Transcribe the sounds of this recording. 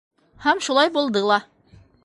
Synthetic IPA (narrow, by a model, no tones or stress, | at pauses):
hæmʃulˠɑjbulˠd̪ɤlˠɑ